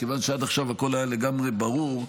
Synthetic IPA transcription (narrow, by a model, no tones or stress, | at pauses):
kevanʃead̪aχʃavako̞lajaleɡamʁebaʁuʁ